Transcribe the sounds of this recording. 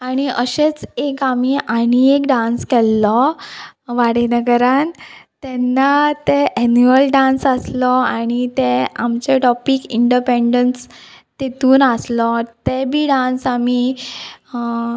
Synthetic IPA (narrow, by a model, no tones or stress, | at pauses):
aɽ̃iəɕet͡sekamiʔaɽ̃iekɖãnskɛlːɔ | ʋaɽenəɡəɾant̪ɛnːat̪ɛʔɛnuəlɖãnsəslɔaɽ̃it̪ɛa̰mt͡ɕeʈɔpikiɳɖipeɳɖəns | t̪et̪uːnaslɔt̪ɛbʱiːɖãnsami